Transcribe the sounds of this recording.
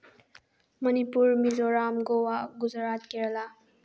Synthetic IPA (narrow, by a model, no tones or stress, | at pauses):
mʌnipuɾmizɔɾamɡowaɡuzaɾat̚keɾla